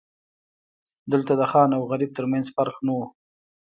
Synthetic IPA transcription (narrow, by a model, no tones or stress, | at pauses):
d̪əlt̪ad̪əxɑnawɣaɾib̚t̪əɾmanzfaɾxnawu